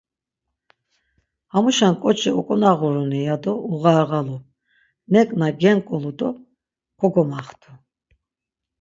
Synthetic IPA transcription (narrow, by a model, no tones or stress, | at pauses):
hamuʃankʼɔt͡ʃʰʼɛɔkʼɔnaʁuɾɔnɛjad̪ɔuɣaːɣalu | nɛkʼnaɡɛŋkʼɔlud̪ɔ | kʰɔɡɔmaχt̪ʰu